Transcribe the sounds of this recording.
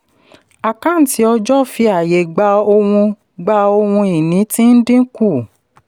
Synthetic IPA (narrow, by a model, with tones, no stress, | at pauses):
a˨kã˨˦˨n̩˨ti˨˦ɔ˧d͡ʒɔ˦fi˧a˨je˨ɡ͡ba˧o˧wũ˧ | ɡ͡ba˧o˧wũ˧i˨nĩ˨˦tĩ˦n̩˦dĩ˦ku˦˨